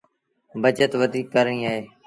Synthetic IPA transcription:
bəd͡ʒət̪ʋəd̪iːkːəɾnĩːaːɦeː

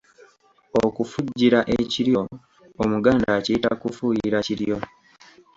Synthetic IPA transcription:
okufuɟːiɾaʔeciɾjo̞ | omuɡaːndacita̰kufujiɾaciɾjo̞

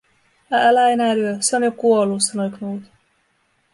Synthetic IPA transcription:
æælæenæːlyøseonjokuolːusɑnojknuːt̪

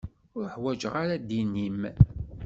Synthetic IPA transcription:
ʊɾħwæd͡ʒʁaɾad̪inːim

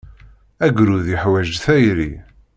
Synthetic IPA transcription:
æɡɾuðiəħwæʒθæjɾi

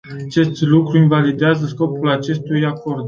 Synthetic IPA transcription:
at͡ʃe̞st̪lukɾuinvalid̪eazəsko̞pulat͡ʃe̞st̪ujako̞rd̪

